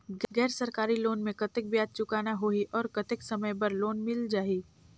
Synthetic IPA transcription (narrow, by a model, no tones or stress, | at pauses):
ɡɡɛːɾsɐɾkaːɾiloːnmẽkɐt̪ɪk̚bjaːd̪̚t͡ʃʊkaːnaɦoːiʔɔːɾkɐt̪ɪksɐməjpɐɾloːnmɪld͡ʒaːiː